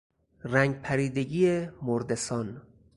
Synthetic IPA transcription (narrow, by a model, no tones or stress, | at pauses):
ræŋɡpʰæɾiːd̪eɡiːemoɾd̪esɒːn